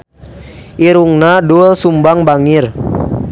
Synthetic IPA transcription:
iɾuŋnaduɔsumbaŋbaŋir

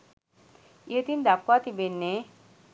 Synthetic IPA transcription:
et̪ind̪apat̪ibenːe

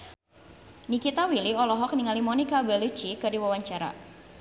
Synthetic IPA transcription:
nikit̪awiliɔlɔɦɔk̚niŋalimɔnikabɛlit͡ʃikɨrdiwawaɲt͡ʃaɾa̰

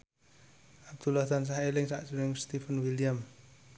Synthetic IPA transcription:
ʔab̚d̪̥ulaht̪ans̬aɦelɪŋsaʔsunɪŋst̪ifənwiljam

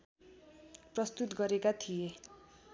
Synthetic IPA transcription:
prʌst̪ut̪ɡʌɾekat̪ʰije

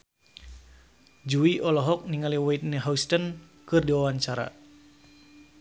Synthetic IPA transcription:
d͡ʒuiʔɔlɔɦɔk̚niŋaliwɔit̪̚nəɦaust̪ənkɨrdiwawaɲt͡ʃaɾa̰

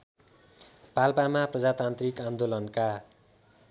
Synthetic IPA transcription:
palpamaprʌd͡zat̪ant̪rikand̪olʌnka

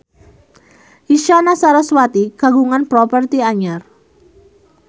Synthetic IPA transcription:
iʃanasaɾaswat̪iɡ̥a̤ɡuŋanpɾɔpərt̪iaɲar

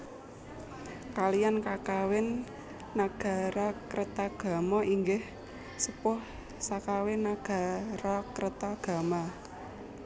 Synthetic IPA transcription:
kalijankakawɪnː | aɡ̥a̤ɾakɾət̪aɡ̥a̤mɔʔiŋɡɪh | səpʊh | sakawɪnaɡ̥a̤ɾakɾət̪aɡ̥a̤ma

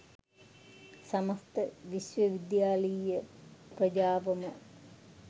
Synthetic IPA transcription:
sɐmɐst̪əʋisʋəʋid̪jaːləjəprɐd͡ʒaːʋɐmə

